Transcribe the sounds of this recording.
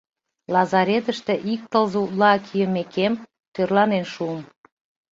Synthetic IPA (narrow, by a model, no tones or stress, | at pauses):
lɑzɑɾet̪əʃt̪ĕʔik̚t̪əlzut̪lɑkʰijə̆mekem | t̪ørlɑnenʃuəm